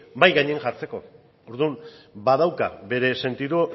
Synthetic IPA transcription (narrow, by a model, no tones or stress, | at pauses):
bajɣaɲeeŋʝaɾt͡se̞ko̞̰ | oɾðumbaðawka̰be̞ɾe̞se̞nt̪iðu